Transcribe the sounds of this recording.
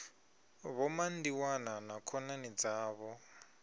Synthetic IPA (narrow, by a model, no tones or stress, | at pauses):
βɔmandiwananakʰɔnanid͡zaːβɔ